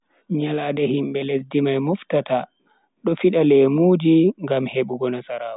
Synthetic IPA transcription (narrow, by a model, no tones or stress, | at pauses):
ɲaladɛhimɓɛlesdimajmuftata | ɗɔfiɗalɛmuːd͡ʒiŋɡamheɓuɡɔnasaɾaːwɔ